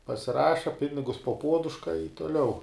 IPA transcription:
pɐsʲɪˈrɑːʃɐ ˈpʲɪnʲɪɡʊs poː ˈpuɔdʊʃkɐ ɪ toːˈlʲɛʊ

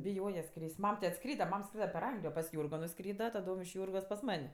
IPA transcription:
bʲɪˈjoːjɛ ˈskrʲiːsʲtʲ ˈmɐm tʲɪ ɐtˈskrʲiːdɐ ˈmɐm ˈskrʲiːdɐ pʲɛr ˈɐŋɡlʲɪjoː pɐs ˈjuːrɡoː nʊˈskrʲiːdɐ tɐˈdoːm ɪʃ ˈjuːrɡoːs pɐs ˈmɐnʲ

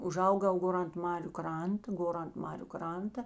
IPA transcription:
ʊˈʒɐʊɡɐʊ ˈɡoːr ɐnt ˈmɑːrʲʊ ˈkrɐntɐ ˈɡoːr ɐnt ˈmɑːrʲʊ ˈkrɐntɐ

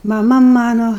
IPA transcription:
mɐˈmɐ ˈmɑːnoː

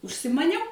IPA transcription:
ʊʃʲsʲɪmɐˈnʲɛʊ

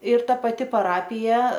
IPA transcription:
ɪr ˈtɐ pɐˈtʲɪ pɐˈrɑːpʲɪjɛ

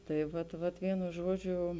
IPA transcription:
tɐɪ ˈʋɐt ˈʋɐt ˈʋʲiɛnʊ ˈʒuɔˌd͡ʒʲʊ

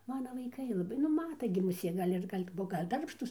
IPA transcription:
ˈmɑːnɐ ʋɐɪˈkɐɪ lˠɐˈbɐɪ nʊ ˈmɑːtɐ ɡʲɪ mʊˈsʲeː ɡɐlʲ ˈɪr ɡɐlʲ ˈbuɔ ɡɐlʲ ˈdɐrpʃtuːs

